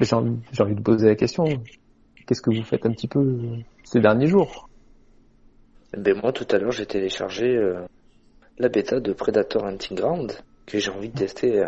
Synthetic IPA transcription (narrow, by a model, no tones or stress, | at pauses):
bɛʒɑ̃ʒeɑ̃vid̪əpozelakʲɛst̪jɔ̃ | kʲɛskəvufɛt̪ɛ̃pət̪ipø | sed̪ɛʁnjeʒuːʁ | ebɛmwat̪ut̪alœʁʒet̪ʰeleʃa̰ʁʒeø | labet̪ʰad̪əpχed̪at̪ʰœʁɛ̃nt̪ʰĩɡʁɑ̃d̪ | kʰəʒeɑ̃vid̪ət̪ɛst̪ʰe